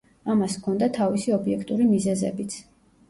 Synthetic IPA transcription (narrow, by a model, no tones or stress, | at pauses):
amaskʰɔnd̪at̪ʰavisiɔbiɛkʰt̪ʼuɾimizɛzɛ̰bit̪sʰ